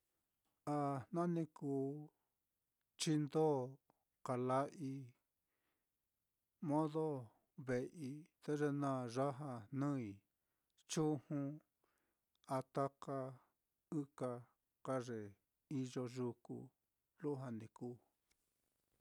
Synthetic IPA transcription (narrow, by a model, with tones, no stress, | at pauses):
a˧nã˦nĩ˧kuː˧˦ | t͡ʃi˧nd̪o˦ | ka˨la˧ʔi˧ | mõ˦ðo˦ | βe˨ʔi˧t̪e˦ʐe˧nã˦˨ʐa˦ɦa˧nũ˦i˨ | t͡ʃu˦hũ˦ | a˧t̪a˦ka˧ | ɨ˦ka˧ | ka˦ʐe˨ | i˧ʒo˧ʒu˧kṵ˧ | lu˦ɦa˧nĩ˧kuː˦˧˦